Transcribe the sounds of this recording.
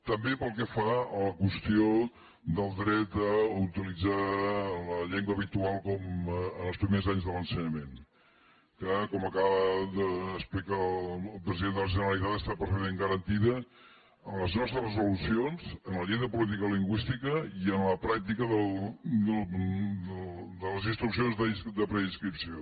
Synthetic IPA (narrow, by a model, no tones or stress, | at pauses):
t̪əmbepəlˠkɛfaələkwəst̪io | d̪əlˠd̪ɾɛt̪̚əut̪ilid͡zaləʎeŋɡwəβit̪ualˠkɔmənəlˠspɾimezaɲzðələnsəɲəmen | kakɔməkaβəðəːsplikaːlˠpɾəziðend̪ələʒənəɾəlˠit̪at̪əst̪apəɾfəðeŋɡəɾənt̪iðə | ənləznɔst̪ɾərəzulusionz̥ənləʎejðəpulit̪̬ikəliŋɡwist̪ikəiənləpɾak̚t̪ikəðəlˠd̪əldəd̪ələzinst̪ɾuksionzðəid̪əpɾəinskɾipsio